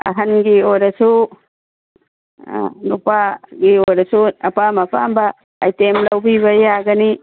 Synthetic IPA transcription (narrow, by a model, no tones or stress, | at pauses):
ɐ̰ɦɐnɡiojɾɐsu | nupaɡiojɾɐsuɐpamɐpambɐː | jtemlɐwbiβɐjaɡɐni